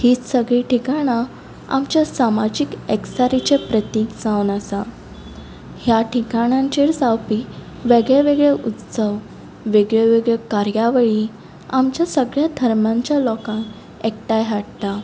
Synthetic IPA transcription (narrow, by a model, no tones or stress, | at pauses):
hiːt͡ssəɡɭiːʈikaɽ̃a | a̰mt͡ɕjasamad͡ʑikeksaɾit͡ɕepɾət̪iːkd͡zãwnəsa | hjaʈʰikaɽ̃ãɲt͡ɕiɽsawpiː | ʋeɡɭɛʋeɡɭɛʔut̪səʋ | ʋeɡɭeʋeɡɭekaɾjaʋəɭi | amt͡ɕjasəɡɭjad̪ʱəɾmaɲt͡ɕjalɔkãn | ek̚ʈajɦaɽt̪a